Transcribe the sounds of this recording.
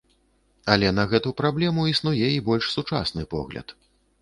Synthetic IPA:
ɐlʲɛnɐɣɛt̪upɾablʲɛmuisnujɛibɔlʲʂsut͡ʂa̰snɨpɔ̰ɣlʲɐ̰t̪

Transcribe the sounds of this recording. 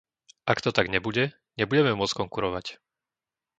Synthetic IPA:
ʔakt̪ɔt̪aɡɲɛbuɟɛ | ɲɛbuɟɛmɛmʊɔt͡skɔŋkuɾɔʋac

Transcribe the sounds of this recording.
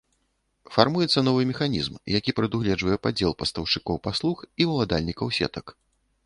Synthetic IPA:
farmujɛt̪sːɐnɔvɨmʲɛxanʲḭzmjakʲipɾɨd̪uɣlʲɛd͡ʐʐvɐjɛpad͡zʲɛlˠpɐst̪ɐwʂɨkɔwpaslˠuxivɐlˠad̪alʲnʲikɐwsʲɛ̰t̪ɐk

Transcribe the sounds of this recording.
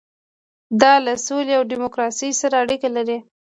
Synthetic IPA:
d̪ɑlasoliawɖimʊkɾɑsijsaɾaːɽikalaɾi

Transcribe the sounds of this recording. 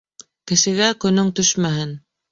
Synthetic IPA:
kɘ̆ʃɘ̆ɡækɵ̆nɵŋt̪ɵʃmæɦɘn

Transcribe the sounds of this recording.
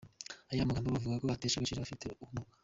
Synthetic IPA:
ajiamaɡaːmboβavuɡakoateʃekeʃiɾaβafite̞̰umo

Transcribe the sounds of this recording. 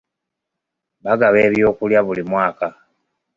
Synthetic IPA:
βaɡaβe̞ːβjoːkuljaβulimwaːka

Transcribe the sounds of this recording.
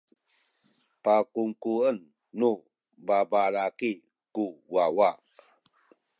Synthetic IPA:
pakuŋkuənː | u | babaɾaki | kuwawa

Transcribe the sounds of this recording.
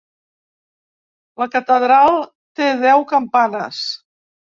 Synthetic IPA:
ləkət̪əðɾalˠ | t̪eðɛwkəmpanəs

